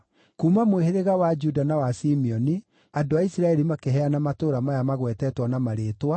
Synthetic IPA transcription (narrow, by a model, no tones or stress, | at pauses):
kuːmamoeɦeðeɣawad͡ʒudanawasimiɔni | adoaisiɾaɛɾimakeɦɛanamatoːɾamajamaɣwɛtɛtwanamaɾeːtwa